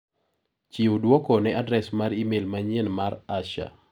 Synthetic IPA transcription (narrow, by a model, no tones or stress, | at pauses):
t͡ʃiudwɔkɔnɛadɾɛsmaɾimelmaɲenmaɾaʃa̰